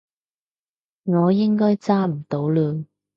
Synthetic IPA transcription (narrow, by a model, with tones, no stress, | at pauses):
ŋɔː˨˧jɪ˥ŋkɔː˥jt͡saː˥m̩˨˩t̪o˨˥wlœː˨˧n